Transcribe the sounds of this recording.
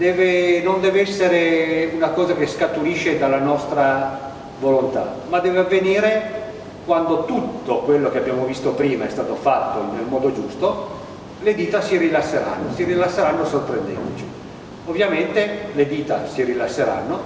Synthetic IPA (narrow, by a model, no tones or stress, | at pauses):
d̪ɛːvenond̪ɛːveɛsːeɾeunakɔːzakeskat̪ːuɾiʃed̪alːanɔst̪ɾa | volont̪a̰mad̪ːɛːveavːeniːɾe | kwand̪ot̪ut̪ːokwelːokeabːjaːmovist̪opɾiːmaɛst̪aːt̪ofat̪ːoinːelmɔːd̪od͡ʒust̪o | led̪iːt̪asiɾilasːeɾa̰nːosirilasːeɾanːosorpɾend̪ɛ̰nd̪ot͡ʃi̥ | ovːjament̪eled̪iːt̪a̰siɾilasːeɾa̰nːo